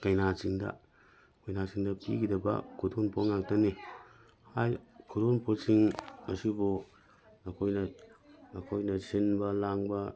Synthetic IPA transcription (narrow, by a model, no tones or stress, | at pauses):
kɐjnasiŋdɐ̰ | kajnasiŋdɐpḭkʰidɐbɐ̰kʰudonpʰoŋak̚tɐni | hajkʰudonpʰosiŋɐsibo | ɐkʰojnɐ | ɐkʰojnɐsinbɐlaŋbɐ